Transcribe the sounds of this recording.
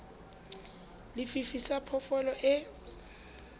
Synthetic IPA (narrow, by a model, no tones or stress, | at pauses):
lɪfifisapʰɔfɔlɔʔɪ